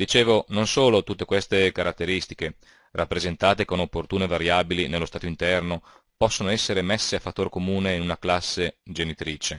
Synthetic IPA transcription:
d̪it͡ʃeːvononsoːlot̪ut̪ːekwest̪ekaɾat̪ːeɾist̪ik̟e | rʔapːɾezent̪aːt̪ekonopːort̪uːnevaɾjaːbilinelːost̪aːt̪oint̪ɛrno | pɔsːonoɛsːeɾemesːeafat̪ːoːrkomuːneinunaklasːed͡ʒenit̪ɾiːt͡ʃe

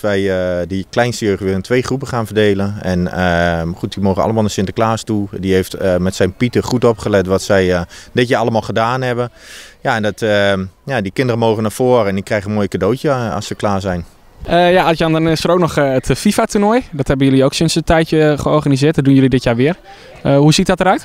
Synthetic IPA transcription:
ʋɛjdəklɛjnstəjøɥχəʋɪləntʋejχrupəχaːnfəɹdeːlənɛnəmaχut̚dimowχənɑ̰ləmaːlˠnəsɪntəklaːstudiɦejftmɛtsɛjnpitəχutopχəlɛtʋɔtsɛjdɪtjaɑlˠəmaːlˠχədaːnɦɛbənjaɛndɔtəjadikɪndərəmowχənaːfoːɾəɛndikrɛjχənmoːjəkadowtjə̰səklaːsɛjn | əjaɔtjɔndɔnɪsəɾowk̚nɔxətʰfifatunojdɔthɛbənjɵliowksɪnsətɛjtjəχəɔɹχanizɪːt̚dɔdunjɵlidɪtjaːɹʋɪər | əhusit̚dɔtəɾœɥt

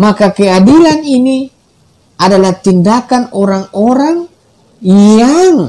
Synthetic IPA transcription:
makakɛadilanini | adalaht̪indakanɔɾaŋɔɾaŋ | jaŋ

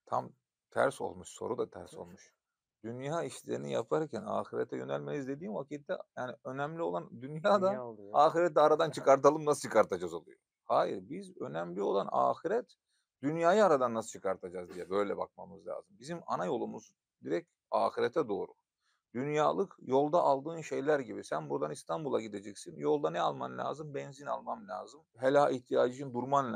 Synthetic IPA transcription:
t̪ʰam | t̪ʰæ̰ɾso̞̰lˠmuʃso̞̰ɾud̪at̪ʰæɾso̞̰lˠmuʃ | d̪̥ynjaːiʃlʲeɾinḭja̰pʰaɾcʰæna̰ːxiɾɛt̪ʰɛjø̞nælʲmelʲizlʲe̞d̪iːmvacit̪ːɛ̰jaːniø̞næmlʲio̞lˠand̪ynjaːd̪aaːxiɾɛt̪ːɛaɾad̪ant͡ʃʰɯkaɾt̪̬alˠɯmnasɯ̥t͡ʃʰɯ̥kʰaɾt̪ʰad͡ʒazo̞lˠṵjo | haːjḭɾbizø̞næmlʲio̞lˠana̰ːxiɾɛt̪ | d̪ynjaːjɯaɾad̪anːasɯ̥t͡ʃʰɯkʰaɾt̪ʰad͡ʒazd̪ijɛbø̞jlʲɛ̰ba̰k̚mamɯzlʲa̰ːzɯmbizima̰najo̞lˠumuz | d̪iɾɛc | a̰ːxiɾɛt̪ʰɛd̪o̞ːɾu | d̪̥ynjaːlˠɯkjo̞lˠd̪aʔalˠd̪ɯːnʃe̞jlʲæɾɟibisænbuɾd̪anist̪ʰambulˠaɟid̪ed͡ʒɛcsinjo̞lˠd̪anɛa̰lˠmamlʲa̰ːzɯmbɛnzina̰lˠmamlʲa̰ːzɯmɦelʲaiht̪ʰijaːd͡ʒɯʃɯnd̪uɾmanlʲ

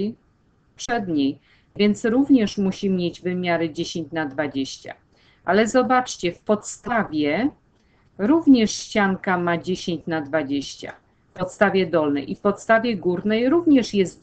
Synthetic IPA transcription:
pʂɛd̪ɲej | vʲjɛnt̪sɾuvɲɛʂmuɕimʲjed͡ʑvɘmʲjaɾɘd͡ʑeɕeɲt͡ɕnad̪vad͡ʑeɕt͡ɕa̰ | ʔalɛzɔbat͡ʂt͡ɕɛfpɔt̪st̪avʲjɛ | ɾuvɲɛʂɕt͡ɕaŋkamad͡ʑeɕeɲt͡ɕnad̪vad͡ʑeɕt͡ɕa̰ | fpɔt̪st̪avʲjɛd̪ɔlnɛ̰jʔifpɔt̪st̪avʲjɛɡuɾnɛjɾuvɲɛʂjɛst̪

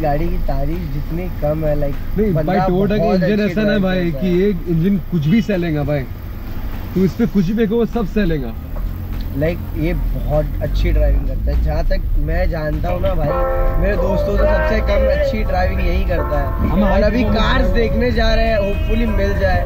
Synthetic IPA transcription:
ɡaːɽikit̪aːɾiːxd͡ʒɪt̪nikɐmɦɛlaɪk̚nɐĩbɐ̃bʱaːioːʈɐkɪ̃nd͡ʒɪ̃nɛːsanaɦɛbʱaːikijeɪ̃nd͡ʒɪ̃nkʊt͡ʃʰbʱisɛːlẽːŋɡabʱaːi | t̪oɪspekʊt͡ʃʰibpek̬oosɐbsɛːlẽːŋɡaː | laɪk̚jebɔɦɔt̪̚ɐtːʃʰiɖɾaːɪʋɪ̃ŋkɐɾt̪aɦɛd͡ʒɐɦãt̪ɐkmɛ̃d͡ʒãːnt̪aɦũnabʱaːimeːɾed̪oːst̪õseɐtːt͡ʃʰakɐmeɐtːʃʰiɖɾaːɪʋɪ̃ŋɡjɐɦĩkɐɾt̪aɦɛːɐmɐɾɐbʱikaːɾsd̪eːkʰned͡ʒaːɾɐɦɛ̃ʋofʊlimɪld͡ʒaːeː

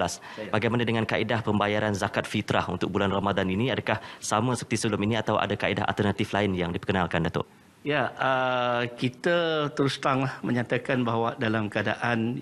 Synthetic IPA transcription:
las | baɡajmanadəŋankaʔidahpəmbajaɾanzakat̪̚fit̪ɾa̰hunt̪ʊk̚bulanramadaniniadakahsamə̃sə̥pərt̪isəbəlʊminiat̪awʔa̰dakaḭdaɦa̰lt̪ərnat̪iflainjaŋdipəkənalkandat̪ʊ̰ʔ | jaəkit̪ət̪əɾust̪aŋlahməɲãt̪akanbaɦwadalamkəadaʔan

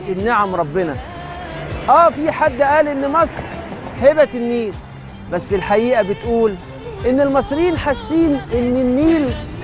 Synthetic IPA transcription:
enːaʕamɾˤɑbːenæ | ʔæːfiħad̪ːʔæːlʔenːmɑsˤɾhebæt̪enːiːl | bæsːelħaʔiːʔæbet̪ʔuːl | ʔenːelmɑsˤɾjiːnħasːiːnʔenːenːiːl

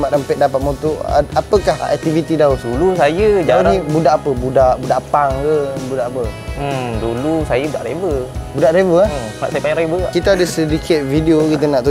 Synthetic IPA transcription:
mat̪əmpɛʔ̪̚dapat̪̚mot̪o̰apəkahɛ̰k̚t̪ivit̪idauulusajəd͡ʒanĩbudaʔapəbudaʔbudaʔpaŋkəbudaʔapəəmdulusajəbudaʔɾebəbudaʔɾebəana̰ʔsajəpaɲaɾebəkit̪aadəsədikʰɪt̪̚vidiokit̪ənaʔt̪u

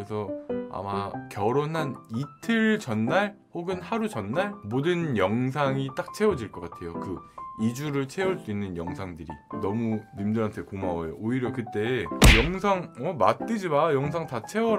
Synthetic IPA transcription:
esʰʌa̰makjʌɾonɦanitʰɯɭt͡ɕʌnːaɭhoɡɯnhaɾut͡ɕʌnːaɭmodɯnjʌŋs̬ʰaŋit͈ak̚t͡ɕʰe̞wʌd͡ʑiɭk͈ʌk͈atʰe̞jokɯid͡ʑuɾɯɭt͡ɕʰe̞uɭs͈uinːɯnjʌŋsʰaŋdɯɾḭnʌmunɯmdɯɾantʰe̞komawojo̰ʔoiɾjʌkɯt͈e̞jʌŋsʰaŋʌmat̚k͈ɯd͡ʑibajʌŋsʰaŋtat͡ɕʰe̞wʌɾ

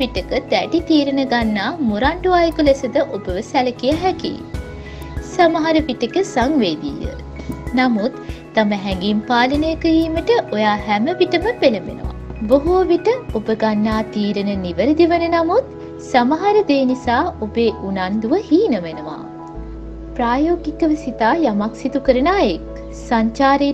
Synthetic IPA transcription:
iʈəkəd̪æʈit̪iːɾənəɡanːaːmuɾaɳɖuʋaːjəkulesəd̪əʔobəʋəsæləkijaɦɛkḭ | samaɦaɾəʋiʈəkəsaŋʋeːd̪ḭːə̰ | namut̪ː | aməɦɛŋɡimpaːlənəjəkəiːməʈəʔojaːɦæməʋiʈəməpeləmḛnə̰ʋa̰boɦuʋiʈəobəɡanːaːt̪iːɾənəniʋəɾəd̪iʋənənamut̪ | samaɦaɾəd̪eːnisaːobeːʔunand̪uʋəhiːnəʋenəʋa̰ː | pɾaːjoːɡikəʋəsit̪aːjamaksit̪ukəɾənaːek | saɲt͡ʃaːɾe

